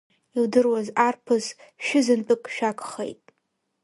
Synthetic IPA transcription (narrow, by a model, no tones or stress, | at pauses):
iwdɨrwazarpʰɨz | ʃɪzɨnt͡pʼɨkʼʃᶣakʷʰʼχḛjtʼ